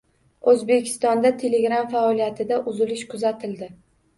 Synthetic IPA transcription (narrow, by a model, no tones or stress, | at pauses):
ɵzbe̞kʲʰɪ̥st̪ɒnd̪at̪ʰe̞le̞ɡɾamfaɒlijat̪ʰɪd̪aʔʊzɪlɪʃkʰʊzat̪ʰɪld̪ɪ